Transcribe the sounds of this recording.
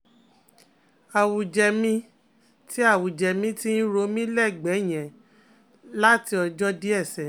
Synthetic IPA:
a˨wu˨d͡ʒɛ˧mĩ˦ | ti˦a˦˨wu˨d͡ʒɛ˧mĩ˨˦ti˦n̩˦ɾo˧˦mĩ˦lɛ˦˨ɡ͡bɛ˨˦˨j̃ɛ̃˨ | la˦ti˧˦ɔ˧d͡ʒɔ˦di˦ɛ˦˨sɛ˨

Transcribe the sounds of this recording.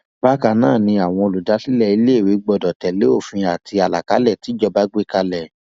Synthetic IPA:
ba˦ka˧nãː˦˨nĩ˧a˨w̃ɔ̃˧o˧lu˨da˨˦si˦lɛ˦˨i˧le˦˨wi˨˦ɡ͡bɔ˧˨dɔ˨tɛ˨le˨˦o˦˨fĩ˧a˨ti˧a˨la˨ka˨˦lɛ˦˨ti˨˦d͡ʒɔ˧ba˦ɡ͡be˦ka˧lɛ˨

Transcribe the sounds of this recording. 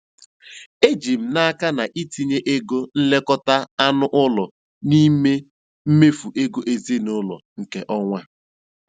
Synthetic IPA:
e˦d͡ʒi˨m̩˨na˦ka˦na˨ʔi˦ti˦ɲe˦ʔe˦ɡo˦n̩˦le˦kɔ˦ta˦a˦nʊ˦ʔʊ˦lɔ˨ | ni˦me˦ | m̩˦me˦fu˨ʔe˦ɡo˦ʔe˨zi˦nʊ˦lɔ̰˨ŋ̩˨ke˨ʔɔ˦ŋʷa˦

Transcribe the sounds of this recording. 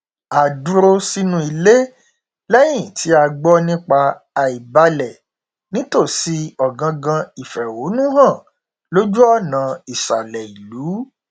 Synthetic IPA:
a˨du˨˦ɾo˧si˧nũ˧i˧le˦ | lɛ˦j̃ĩ˦˨tʰi˨˦a˧ɡ͡bɔ˦nĩ˦k͡pa˧ | a˨i˨ba˧lɛ˨ | nĩ˨˦to˦˨si˧ɔ˨ɡã˧ɡã˧i˨fɛ˨wo˨˦nũ˦ɾã˦˨ | lo˦d͡ʒu˦ɔ˦˨nã˨i˨sa˨lɛ˨i˨lu˨˦

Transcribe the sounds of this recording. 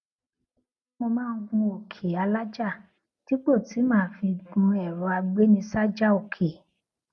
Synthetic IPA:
mõ˧mãː˦˧˦ɡ͡bũ˧o˨kʰe˨a˧la˦d͡ʒa˦˨ | ti˨˦k͡po˦˨ti˨˦mãː˦fi˧ɡ͡bũ˧ɛ˨ɾɔ˨˦a˧ɡ͡be˦nĩ˧sa˦d͡ʒa˦o˨kʰe˨

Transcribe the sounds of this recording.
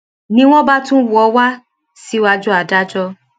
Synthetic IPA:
nĩ˦w̃ɔ̃˦ba˦tũ˦wu˦ɔ˨˦wa˦ | si˦wa˧d͡ʒu˦a˨da˦d͡ʒɔ˦

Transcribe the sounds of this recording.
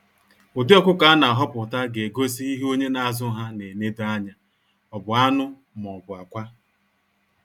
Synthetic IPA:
o˨dɪ˦ɔ˦kʷʊ˦ka˨˦na˨a˨ɦɔ˦pʊ˨ta˦ɡe˨ɡo˦si˦i˦ɦe˦o˦ɲe˦na˨˦a˦˨zʊ˦ɦa˦ne˨ne˦do˦a˦ɲa˨ | ɔ˨bʊ˨a˦nʊ˦ | m˨ɔ˨bʊ˨a˨kʷa˦

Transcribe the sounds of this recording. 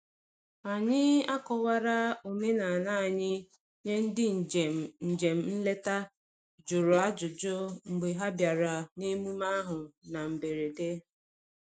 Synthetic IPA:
a˨ɲɪ˦a˦kɔ˨wa˦ɾa˦o˨me˦na˨na˦˨ɲɪ˦ | ɲe˦n̩˦dɪ˦˨n̩˨d͡ʒe˨m̩˨n̩˦le˦ta˦ | d͡ʒʊ˨ɾʊ˨a˦d͡ʒʊ˨d͡ʒʊ˦ŋ͡m̩˨ɡ͡be˨ɦa˦bja˨ɾa˨ne˦mu˦ma˦ɦʊ˨na˨m̩˨be˨ɾe˨de˦

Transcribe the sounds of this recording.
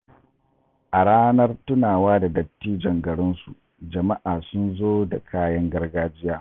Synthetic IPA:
ʔa˨ɽaː˦nɐ˦rtʊ˦naː˨waː˦da˨dɐ˨tːiː˦d͡ʒɐ˨ŋɡɐ˨ɽɪ˦nsu˨ | d͡ʒɐ˨ma˦ʔaː˨sʊ˦nzoː˦da˨kʰaː˦jɐ˦ŋɡɐ˦rɡaː˦d͡ʒɪ˦jaː˦

